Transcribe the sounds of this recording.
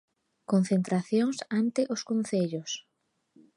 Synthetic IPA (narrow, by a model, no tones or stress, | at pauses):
kon̟θent̪ɾaθjoŋsant̪ɪʔʊskon̟θeʎʊs